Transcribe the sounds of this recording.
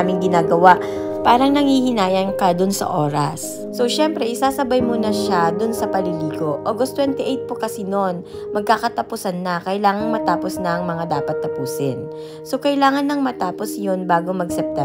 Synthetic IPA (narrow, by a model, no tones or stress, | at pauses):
mɪŋɡɪnaːɡɐwaʔ | paːɾɐŋnɐŋhiːhɪnaːjɐnkɐd̪ʊnsɐ̰ʔo̞ːɾɐsː | o̞ʃɛmpɾɛʔɪsaːsɐbɐjmonɐʃad̪ʊnsɐpɐliliːko̞ʔoɡost̪wɛnt̪ɪʔɛjt̪̚pokɐsinon | mɐɡ̚kaːkɐt̪ɐpʊsanːɐkɐʔɪlaːŋɐŋmɐt̪aːposnɐʔɐŋmɐŋad̪aːpɐt̪ːɐpuːsɪn | sokɐɪlaːŋɐnːɐŋmɐt̪aːpo̞sjonbaːɡomɐɡsɛp̚t̪ɛ